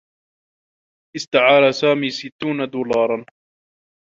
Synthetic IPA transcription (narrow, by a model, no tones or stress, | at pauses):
ʔɪst̪aʕaːɾasaːmiːsɪt̪ːuːnad̪uːlɑːɾˤɑn